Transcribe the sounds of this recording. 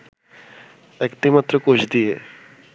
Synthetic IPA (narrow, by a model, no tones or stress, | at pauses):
ɛkt̪emat̪ːɾokot͡ʃʰd̪ie